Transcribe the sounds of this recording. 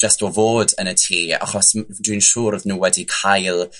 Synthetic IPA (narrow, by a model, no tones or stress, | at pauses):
d͡ʒastɔvoːdənətʰiːa̰χɔsd̥winʃʊːrðnuːwɛdikʰajlˠ